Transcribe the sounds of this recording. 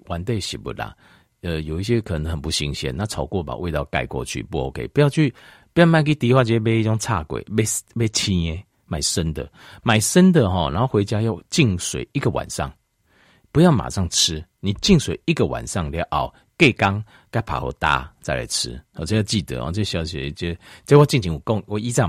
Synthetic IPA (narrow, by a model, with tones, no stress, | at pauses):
wa˨˦nt̪we˥˧ɪɕḭ˨˩bṵ˨˩la̰˨ | ə˨jo˨˩i˥˩ɕjɛ˦kʰə˨˩nə˧˦ŋhə˨˩npu˧˦ɕi˧˦ŋɕjɛ̰˧nnã˥˧t͡sʰa˨˩ʊkwɔ˥˧˩pa̰˨˩we˥˧t̪a˥˧˩ʊka˧˩ɪkwɔ̰˥˧t͡ɕʰy̰˥˨pu˧ho˧˩kʰḛ˨i˨pu˧ja˥˧ʊt͡ɕʰy˥˨ | pu˧˦ja˥˧ʊma˥˧nk̬i˦t̪i˧˦hwa˥˧˩t͡ɕɛ˧be˥˦i˥˧t͡ɕɔ˥˦ŋt͡sʰa̰˥˧˨kwḛ˨˩ɪbe˥˦be˥˦ɪt͡ɕʰĩ˦e˦ | mã˨˩ɪsə˦nd̪ə̰˨ | mã˨˩ɪʂə˦nd̪ə˨ɦɔ˨nã̰˨˦nho˥˧xwe˧˥ɪt͡ɕja˦jo˥˧ʊt͡ɕi˥˩ŋswḛ˨˩ɪi˦ɡə˨wa̰˨˩nsa̰˥˨ŋ | pu˧˦ja˥˩ʊma̰˨˩ʂa˥˩ŋt͡s̩ʰ˦nĩ˨˩t͡ɕi˥˧ŋswe˨ɪi˦ɡə˨wa̰˨nsa˥˧ŋlja˧˦ʊʔa˨˩ʊ | ke˥˧ɪka˦ŋ | ka˥ɪpʰa̰˨ho̰˧˦t̪a̰˦t͡sa˥˩ɪla̰˨˦ɪt͡sʰɻ̩̰˦hɔ˨˩t͡sə˧˦ja˥˧t͡ɕi˥˨t̪ə̰˧˦ɔ̰˨t͡ɕə˥˧ɡɕja˧ʊɕɛ̰˧˦t͡ɕɛ˧˦t͡ɕə˧˥˦wɔ˥˧t͡ɕi˥˨ŋt͡ɕʰi˨˧˦ŋwɔ˨˩kɔ˥˨ŋɔ˨i˦t͡sa˥˧˩